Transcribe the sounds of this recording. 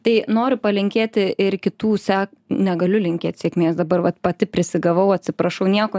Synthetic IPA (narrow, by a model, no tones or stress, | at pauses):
t̪ɐɪnoːɾʲʊpɐlʲɪŋʲkʲeːt̪ʲɪɪrkʲɪt̪uːsʲæːknʲɛɡɐlʲʊlʲɪŋʲkʲeːt̪sʲiɛkmʲeːsd̪ɐbɐrʋɐt̪pɐt̪ʲɪpʲɾʲɪsʲɪɡɐʋɐʊɐtʲsʲɪpɾɐʃɐʊnʲiɛkoː